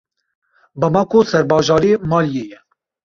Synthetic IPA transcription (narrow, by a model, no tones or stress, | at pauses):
bəmɑːkʰosɛɾbɑːʒɑːɾiːmɑːljeːjɛ